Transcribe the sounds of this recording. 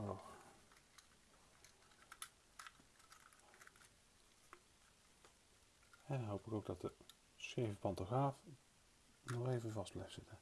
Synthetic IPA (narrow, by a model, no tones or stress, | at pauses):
o | ɛnnɦowpɪkowɡ̚dɑt̚də | sejvəpɑntoχraːf | nɔχejvənvɑsb̥lɛfsɪtə